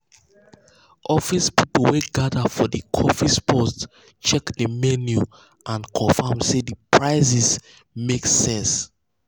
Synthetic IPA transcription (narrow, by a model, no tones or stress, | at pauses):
ʔɔfispipweɡadafɔdikʰɔfispʰɔst | t͡ʃɛkdəmɛnju | ʔãnkʰɔ̃famsedəpʰɹaɪsis | meksɛ̃ns